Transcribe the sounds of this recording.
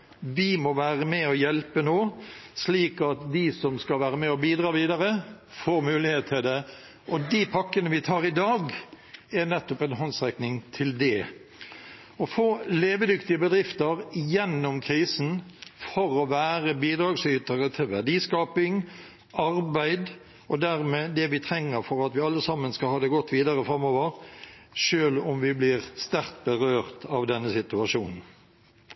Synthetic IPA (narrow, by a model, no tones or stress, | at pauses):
ʋɪmɔʋæːʁəmɛɔjɛlpənoːsliːkɑt̪d̪ɪsɔmskɑlʋæːɾəmɛɔbiːd̪ɾɑːʋiːd̪ɑɾə | foːɾmʉːlɪheːt̪ʰːɪld̪ɛ | ʔɔd̪ipʰɑkːənəʋɪt̪ʰɑːɾɪd̪ɑːɡ | ɛnɛt̪ːʊpɛnɦɔnsʁɛknɪŋt̪ʰɪld̪ɛ | ɔfoːleːʋəd̪ʏkt̪ɪəbəd̪ɾɪft̪əʁjɛnːʊmkʰɾiːsnfɔɾɔʋæːɾəbiːd̪ɾɑːɡsyːt̪əɾət̪ʰɪlʋæɖiːskɑːpɪŋ | ʔɑɾbæɪd̪ | ɔd̪æʁmeːd̪ɛʋɪt̪ʰɾɛŋːəɾfɔɾɑt̪ʋɪɑlːəsɑmːənskɑlhɑːd̪ɛɡɔt̪ːʋiːd̪ɑɾəfɾɑmːoːʋəɾʂøːlʊmʋɪblɪʁst̪æʁt̪̚bəʁøːʁt̪ʰɑʋd̪ɛnːəsɪt̪ʉɑʃuːnn̩